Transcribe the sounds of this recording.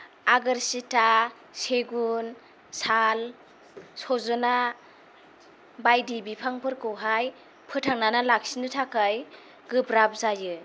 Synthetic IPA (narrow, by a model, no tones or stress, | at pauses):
aɡɯɾsita | seɡun | sal | sɔzɔna | bajdibipʰaŋpʰɯɾkɯwɦaj | pʰɯtʰaŋnanalak̚sinɯtʰakaj | ɡɯbɾap̚zajɯ